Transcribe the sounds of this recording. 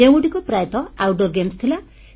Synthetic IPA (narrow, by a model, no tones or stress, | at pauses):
ẽwuʈikoprajt̪ɔawɖorɡemst̪ʰila